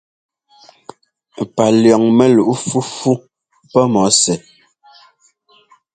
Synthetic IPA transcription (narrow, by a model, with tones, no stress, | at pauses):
pa˨ljɔ˨ŋmɛ˨lu˨ʔu˦fu˦fu˦ | pɛ˦mɔ˨˦sɛ˨